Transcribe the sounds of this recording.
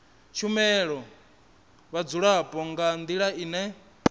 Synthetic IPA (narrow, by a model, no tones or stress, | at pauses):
t͡ʃʰumɛɺɔ | βad͡zuɺaɦapʼɔŋɡand̪iɺainɛ